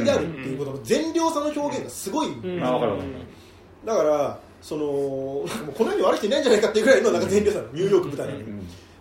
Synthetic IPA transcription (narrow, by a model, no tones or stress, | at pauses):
d̪eaɾɯt̪ːe̞iɯ̟kot̪onzẽ̞ɲɾʲo̞ːsãnːoço̞ːɡẽ̞ŋɡasɨɡo̞ia | d̪akaɾa | so̞no̞nãŋkamoːkonojoːɲʲiβaɾɯ̟kit̪einaiɲ̟d͡ʑanaikat̪ːeiɯkɯɾaieɾɯnoanaŋkazẽɲʲɾʲosanɲ̟ɯ̟ːjo̞ːkɯ̟bɯ̟t̪ainãn